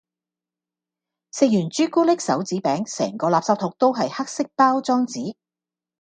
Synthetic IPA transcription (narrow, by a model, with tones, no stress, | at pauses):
sɪ˧k̚jyː˨˩nt͡ʃyː˥kuː˥lɪ˥k̚sɐ̰˨˥wt͡siː˨˥pɛː˨˥ŋsɛ̰ː˨˩ŋkɔː˨˧laː˨p̚saː˧p̚t̪ʰʊ˨˧k̚t̪o˥wɦɐ˨jha˥k̚sɪ˥k̚paː˥wt͡sɔː˥ŋt͡siː˨˥